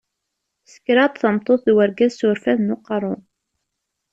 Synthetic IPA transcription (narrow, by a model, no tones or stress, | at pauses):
sə̥kɾɑt̪ˤθəmt̪ˤːoθðwəɾɡæzsʊɾfæðnuqrˤʊn